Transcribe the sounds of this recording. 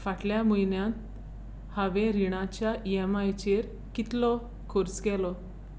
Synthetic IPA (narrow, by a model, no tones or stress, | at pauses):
faʈljamujnjãt̪̚ | haʋẽɾiɽ̃ãt͡ɕjaʔiɛmajt͡ɕeɾ | kit̪lɔ | kʰoɾt͡skɛlɔ